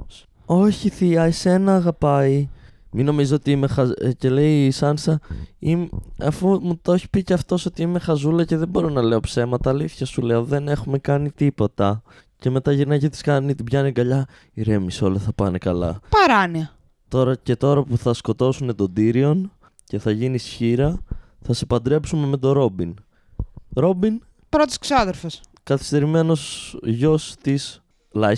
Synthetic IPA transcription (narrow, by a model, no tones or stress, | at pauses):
o̞çiθiɐise̞nɐːɣɐpɐi | mino̞mizoot̪iime̞xɐce̞le̞isɐnsɐimɐfumut̪o̞çi̥piceɐft̪o̞so̞t̪iime̞xɐzulɐce̞ðebo̞ɾo̞nɐle̞o̞pse̞mɐt̪ɐːliθçɐsuleo̞ðe̞ne̞xume̞kɐnit̪ipo̞t̪ɐ | ce̞me̞t̪ɐʝiɾnɐcet̪iskɐnit̪ibʝɐniɡɐʎɐ | iɾe̞miso̞leθɐpɐnekɐlɐ̰pɐɾɐniɐ | t̪o̞ɾɐce̞t̪o̞ɾɐpuθɐsko̞t̪o̞sune̞t̪o̞nd̪iɾio̞n | ce̞θɐʝinisçiɾɐ | θɐsepɐnd̪ɾe̞psume̞me̞t̪o̞ɾo̞bin | ɾo̞bin | pɾot̪isksoɐðeɾfes | kɐθi̥st̪e̞ɾime̞no̞sʝo̞st̪is | lɐ